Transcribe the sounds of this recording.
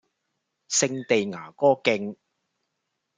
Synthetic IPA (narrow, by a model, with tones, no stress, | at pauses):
sɪ˧ŋt̪e˨jŋaː˨˩kɔː˥kɪ˧ŋ